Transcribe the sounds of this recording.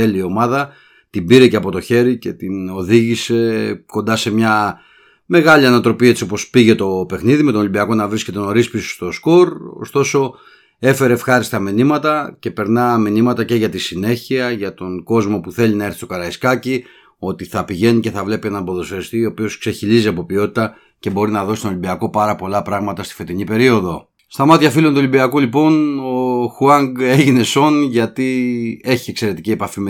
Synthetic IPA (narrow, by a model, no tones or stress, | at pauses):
eliio̞mɐðɐ | t̪ibiɾe̞ceɐpo̞t̪o̞çe̞ɾice̞t̪ino̞ðiʝise̞ko̞nd̪ɐse̞mɲɐ | me̞ɣɐliɐnɐt̪ɾo̞pie̞t͡sio̞po̞spiʝe̞t̪o̞pe̞xniðime̞t̪oolibiɐko̞nɐvɾisce̞t̪e̞noɾispiso̥st̪o̞sko̞ɾo̰st̪o̞so̞ | e̞fe̞ɾe̞ːfxɐɾist̪ɐminimɐt̪ɐce̞pe̞ɾnɐminimɐt̪ɐce̞ʝɐt̪isine̞çiɐʝɐt̪o̞ŋɡo̞zmo̞puθe̞linɐeɾθist̪okɐɾɐiskɐci | o̞t̪iθɐpiʝe̞nice̞θɐvle̞pie̞nɐnbo̞ðo̞sest̪io̞ːpio̞skse̞çiliziɐpo̞pio̞t̪i̥t̪ɐ | ce̞bo̞ɾinɐðosi̥t̪oolibiɐko̞pɐɾɐpo̞lɐpɾɐɣmɐt̪ɐst̪i̥fe̞t̪iɲipe̞ɾio̞ðo̞ | st̪ɐmɐt̪çɐfilo̞nt̪uo̞lʲibiɐkulipo̞no̞xuɐŋɡeʝine̞so̞nʝɐt̪ie̞çie̞kse̞ɾe̞t̪icie̞pɐfim